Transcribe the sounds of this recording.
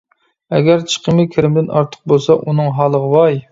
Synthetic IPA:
ɛɡʲæɾt͡ʃʰə̥qʰəmɨkʲʰɪɾɪmd̪ɪnɑ̰ɾt̪ʰə̥q̚bolˠsɑʔunɨŋɦɑːlˠəʁəwɑj

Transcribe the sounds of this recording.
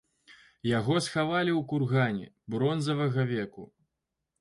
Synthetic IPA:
jaɣɔsxavalʲiwkurɣanʲɛ̰ | bɾɔnzɐvɐɣɐvʲɛkṵ

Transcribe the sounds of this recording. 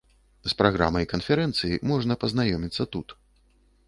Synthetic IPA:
spɾaɣɾa̰mɐjkɐnfʲɛɾɛnt̪sɨjimɔʐnɐpɐzn̪ajɔmʲit̪sːɐt̪ut̪

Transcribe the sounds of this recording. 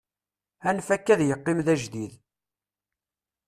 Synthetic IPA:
ænfækːæðjəqːɪmðæʒd̪ið

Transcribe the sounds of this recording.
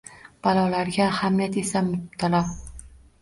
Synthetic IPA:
b̥alˠɒlaɾɡʲaːhamijat̪e̞samʊt̪ʰalaw

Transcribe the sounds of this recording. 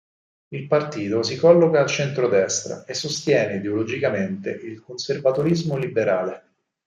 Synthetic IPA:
ilpart̪iːt̪os̬ikɔlːokaːlt͡ʃent̪ɾod̪ɛst̪ɾa̰esːost̪jɛːneid̪eolod͡ʒikament̪ḛʔilkonservat̪oɾizmolibeɾaːle

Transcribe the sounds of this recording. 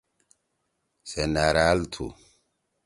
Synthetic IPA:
senaɾalt̪ʰṵ

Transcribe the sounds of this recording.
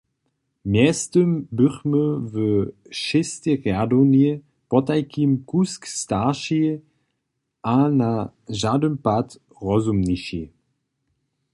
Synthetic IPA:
mjɛstəmbʏχməvə | ʃɪst̪eʁjadoni | pɔtajkimkuskstaʃi | ʔanaʒadəmpat | ʁɔzumniʃḭ

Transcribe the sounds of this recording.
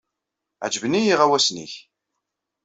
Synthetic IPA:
ʕəd͡ʒəvnijiʁæwæsnḭç

